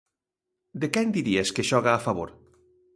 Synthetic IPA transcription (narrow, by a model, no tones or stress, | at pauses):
d̪ekɛnd̪iɾieskeʃɔɣaːfaβo̰ɾ